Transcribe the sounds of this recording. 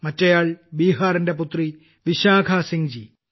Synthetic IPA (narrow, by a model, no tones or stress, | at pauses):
mɐtːɐjaːɭbiːɦaːrɐnde̞put̪ri | ʋiɕaːɡʰʱaːsiŋd͡ʑi